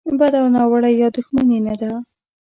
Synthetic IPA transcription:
bad̪awnɑwaɽajːɑd̪ʊxmanimed̪a

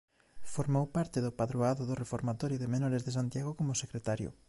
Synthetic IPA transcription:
foɾmowpaɾt̪ɪðʊpaðɾoaðoðorefoɾmat̪ɔɾjoðemẽnɔɾezðesant̪jaɣ̞okomʊsekɾet̪aɾjʊ̰

